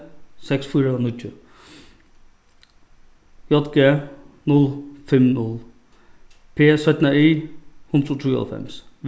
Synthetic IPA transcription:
sɛksfyːɾənʏt̪ʰːə | jɔt̪ɡeːnʊlfɛmnʊl | pʰeːsœt̪naiːhʊnut̪ʰuːa̰lfɛ̰msʋ

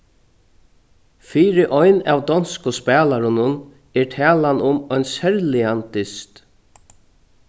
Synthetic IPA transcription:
fiːɾɪʔɔjna̰ːwd̪ɔnskʊspɛːlaɾʊnʊn | ɛɹʈ̪ʰæːlanʊmɔjnsɛɾlɪant̪ɪst̪

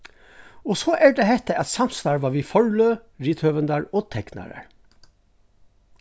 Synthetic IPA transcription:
oːsoːʔæːɖ̪ehɛt̪əʔɑt̪sɑmst̪ɑːɹʋɑːʋiːfɔɹløːɹiːt̪ʰhøːʋənd̪ɑɹɔːt̪ʰɛknɑ̰ɾə̰ɹ

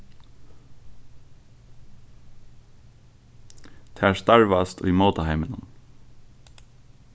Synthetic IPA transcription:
t̪ʰast̪aɹʋast̪ʰṵjmoːt̪aɦajmɪnʊ̰n

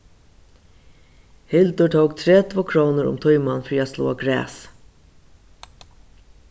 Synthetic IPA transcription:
hɪld̪ʊʈ̪ʰoːkt̪ʰɾeːt̪ʰʋokʰɾoːnəɾʊ̰mt̪ʰɔʏmɑnfɹiːɑslo̰ːɑɡɾæ̰ːs

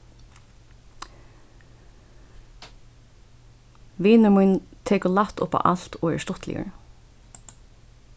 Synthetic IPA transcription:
ʋiːnəɹmujnt̪ʰɛːkʊlaht̪ʊ̰pa̰ʔal̥t̪ɔːɛ̰ɹst̪ɔt̪lɪ̰jə̰ɹ

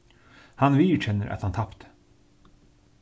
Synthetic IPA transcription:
hɑnʋiːt͡ʃɛnːəɾʔɑ̰t̪hɑnt̪ʰɑpt̪

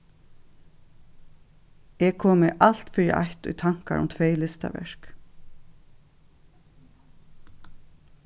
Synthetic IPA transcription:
ɛkʰoːmɪʔal̥t̪fɪɾɪ̰ʔa̰jt̪ʊ̰jt̪ʰaŋ̥ka̰ɾʊ̰mt̪ʰʋejlɪst̪a̰ʋɛ̰ɹ̥k

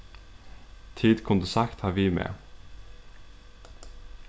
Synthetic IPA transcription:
t̪ʰiːd̪kʰʊnd̪əsakt̪hɑːɾʋiːmḛː

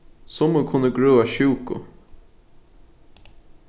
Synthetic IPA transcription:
sɔmokʰʊnəɡɹøːaɕʉːkʊ̰

